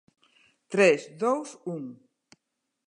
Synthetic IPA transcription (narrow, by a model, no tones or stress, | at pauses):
t̪ɾɛsðowsuŋ